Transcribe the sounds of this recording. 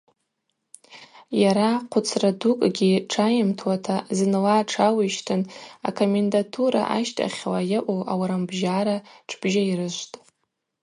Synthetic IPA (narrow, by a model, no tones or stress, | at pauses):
jaɾaqʷʰʊt͡sʰradukʼɡʲiʈ͡ʂʰajɪmtʰwatʰazɨnlaːʈ͡ʂʰawiʃtʰɨna̰kʰomendatʰuɾa̰ʔaʃtʼa̰χʲlajaʔʷowʔawaɾambʒaɾaʈ͡ʂʰb̥ʒairɨʃʷtʼ